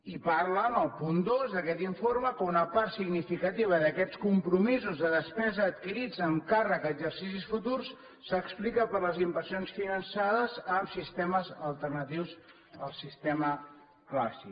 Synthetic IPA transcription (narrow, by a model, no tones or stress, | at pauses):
ipaɾlənəlˠpund̪ozðəkɛt̪iɱfoɾməkunəpaɾsiɡnifikət̪iβ̞əðəkɛt͡skumpɾumizuzðəðəspɛzəːt̪̚kiɾid͡zəŋkarəkəɡzəɾsisisfut̪ursː | əksplikəpəɾləzimbəɾsionsfinənsaðəzəmsist̪ɛməzəlˠt̪ərnət̪iwz | əlˠsist̪ɛmə | klasi